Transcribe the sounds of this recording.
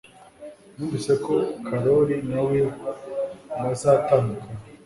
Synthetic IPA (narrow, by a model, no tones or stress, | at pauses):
nuːnvise̞kokʰaɾoɾinawiunazaːtaːndukʰa